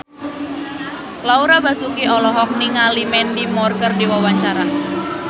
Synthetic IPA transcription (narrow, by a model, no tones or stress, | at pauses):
lauɾabasukiɔlɔɦɔk̚niŋalimɛndimɔrkərdiwawaɲt͡ʃaɾa